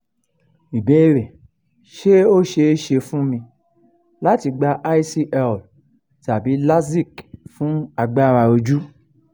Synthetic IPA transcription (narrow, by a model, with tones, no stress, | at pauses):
i˨be˨˦˧ɾe˨ | ʃe˦o˦ʃe˧˦ʃe˧fũ˦mĩ˧ | la˦ti˧ɡ͡ba˧ʔa˦i˦si˧ʔɛ˧˨l | ta˨bi˨˦la˦si˦˨kfũ˦a˧ɡ͡ba˦ɾa˧o˧d͡ʒu˦